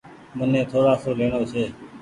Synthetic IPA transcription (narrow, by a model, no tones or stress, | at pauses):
mʊnẽːt̪ʰoːɾaːsoːleːɳoːt͡ʃʰeː